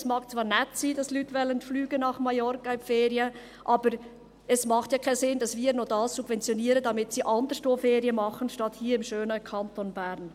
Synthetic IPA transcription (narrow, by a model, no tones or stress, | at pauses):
smɑːkt͡svɑːɾnɛtsiːdɑslyːtvɛlənflyːɡənɑχmajɔɾkaɪmfeːɾiə | ʔɑːbəɾ | ɛsmɑχtjɑːkʰaɪsɪndɑsviːɾnoːdɑːssub̥vɛnt͡sjoniːɾəd̥ɑmɪtsiːʔɑndəɾstoːfeːɾiəmɑχən̩ʃtɑthiːɪmʃøːnəkʰɑntonbɛɾn